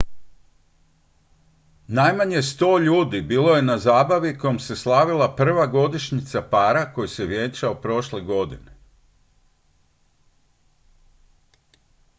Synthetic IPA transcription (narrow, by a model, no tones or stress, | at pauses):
najmaɲe̞st̪o̞ːʎuːd̪ibiːlˠo̞je̞nazaːbaʋikojomse̞slˠaʋilˠapr̩ʋaɡo̞d̪iʃɲit̪sapaːɾako̞jise̞ʋje̞t͡ʃaopɾo̞ʃle̞ɡo̞d̪ine